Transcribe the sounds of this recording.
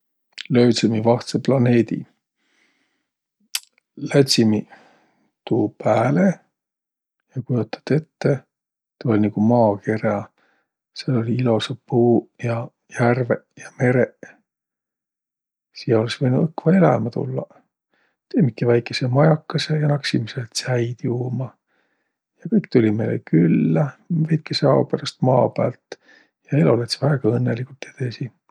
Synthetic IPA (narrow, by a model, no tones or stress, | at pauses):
lø̞ːsemivɑht̪seplɑne̞ːd̪ḭ | læt̪ʲsimi | t̪uːpæːle | jɑkujot̪ːˑɑ̥t̪e̞t̪ːe | t̪ɑolʲniɡ̥umɑːke̞rɑ | selo̞lʲiilo̞sepuːjɑ | jærvejɑme̞ɾe | sijɑo̞lesvɤjnuɤkːvɑelɑ̰mɑt̪ṵlːɑ | t̪emikːˑivæjkːˑe̞semɑjɑkːɑse̞jɑnɑksimiselt̪sæjd̪̥juːmɑ | jɑkɯjk̚t̪ulʲimḛlḛkylːævæjt̪̚keseɑopeɾɑst̪mɑːpæːlt̪ | jɑelolet̪svæːɡ̥ɑɤnːelikult̪jet̪esi